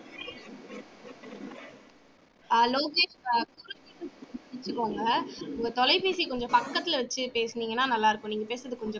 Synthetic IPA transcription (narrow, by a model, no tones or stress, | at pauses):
loːɡeːʂkuːɾɐpiːsɐɽɪt͡ʃːɯkːoːŋɡɐʊŋɡɐt̪ɔlɐɪpeːsikɔɲd͡ʒɔ̃pɐkːɐt̪ːɪlɐʋɐt͡ʃːɯpeːsɯniːŋɡɐnːaːnɐlːaːɪɾɯkːʊ̃niːŋɡɐpeːsɾɐðɯkɔɲd͡ʒɔ̃